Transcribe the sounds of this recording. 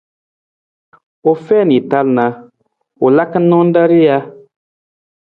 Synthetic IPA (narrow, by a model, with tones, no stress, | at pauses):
o˨fɛ˦˨ni˨ta˦lna˨ | o˨la˦kə˦nɔ˦n˦da˦ɾi˦ja˦